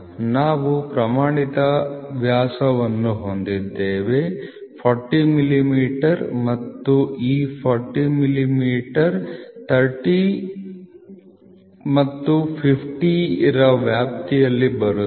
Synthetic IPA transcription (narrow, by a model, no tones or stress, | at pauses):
naːʋupɾɐmaːɳit̪ɐʋjaːsɐʋɐnːuɦond̪id̪ːeːʋe̞pʰɔɾʈimilimiːʈɐɾmɐt̪ːuiːpʰɔːɾʈimilimiːʈɐɾt̪ʰɐɾʈi | mɐt̪ːupʰipʰʈiɾɐʋjaːp̚t̪ijɐlːibɐɾu